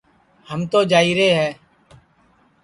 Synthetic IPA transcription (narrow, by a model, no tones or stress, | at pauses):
həmt̪oːd͡ʒaːiːɾeːɦɛː